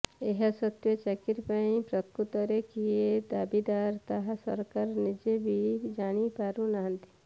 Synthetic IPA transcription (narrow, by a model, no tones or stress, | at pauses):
eɦasət̪wjət͡ʃɛkɪɾpaĩpɾɐt̪kut̪əɾekied̪aːbid̪aːɾt̪aɦsə̰ɾkaɾnɪd͡ʒebʱid͡ʒaːñipaːɾũnaɦnt̪i̥